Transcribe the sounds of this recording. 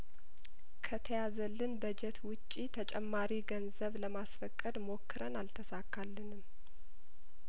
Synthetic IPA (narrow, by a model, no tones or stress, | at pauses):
kʰət̪ʰəjazəlːɨnbəd͡ʒɛt̪wʊt͡ʃʼːit̪ʰət͡ʃʼɛmːaɾiɡənzəβləmasfəkʼːəd̪mo̞kʰːɨɾənalt̪ʰəsakːalːɨnɨm